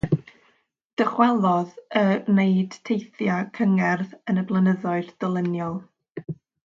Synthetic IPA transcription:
d̥əχwɛlˠɔðəneɨd̥tʰejθjakʰəŋɛrðənəblˠənəðɔɨrd̥əlˠɪnjɔlˠ

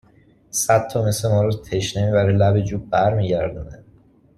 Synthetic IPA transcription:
sæd̪̚tʰːɒːmesemɒːɾɒt̪ʰeʃne̞miːbæɾilæbe̞d͡ʒuːb̚bæɾmiːɟæɾd̪uned̪

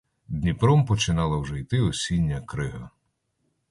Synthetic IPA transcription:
d̪ʲnʲipɾɔmpɔt͡ʃɪnɑlˠɐwʒɛjt̪ɪɔsʲinʲːɐkɾɪɦɐ

